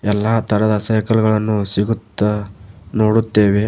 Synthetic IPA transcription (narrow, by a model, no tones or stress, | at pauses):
ɛlːaːt̪ʰɐɾɐd̪ɐsɐjkɐlɡɐɭɐnːusiɡut̪ːɐno̞ːɽut̪ːe̞ːʋe̞